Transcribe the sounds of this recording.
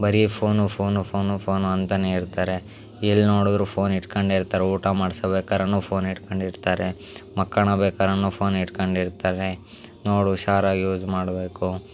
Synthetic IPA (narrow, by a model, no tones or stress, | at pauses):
bɐɾipʰoːnupʰoːnupʰoːnupʰoːnuɐnt̪ɐneiɾt̪aːɾe̞ | ilːnoːɽud̪ɾupʰoːniʈkɐɳɖeɾt̪aːɾeuːʈamaːɽsɐbeːkaːɾɐnːuːpʰoːniʈkɐɳɖiɾt̪aːɾe | mɐkːɐɳɐbeːkaːɾɐnːuːpʰoːniʈkɐɳɖiɾt̪aːɾe | noːɽuʃaːɾaːɡjuːd͡ʒmaːɽbe̞ːku